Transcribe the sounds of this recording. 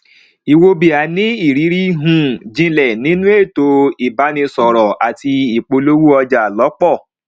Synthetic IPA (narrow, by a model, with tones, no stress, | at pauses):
i˨wo˧bi˨a˨˦nĩ˦i˦˨ɾi˨˦ɾi˦ɦũ˨d͡ʒĩ˧lɛ˨nĩ˨˦nũ˦e˦˨to˧i˨ba˨˦nĩ˧sɔ˨ɾɔ˨a˨ti˧i˨k͡po˧lo˦wu˦ɔ˧d͡ʒa˨lɔ˨˦k͡pɔ˦˨